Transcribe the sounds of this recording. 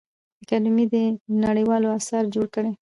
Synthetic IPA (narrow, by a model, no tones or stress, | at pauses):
akɑnʊmid̪ənaɽəjwɑloasaɾd͡ʒoɽkəɽe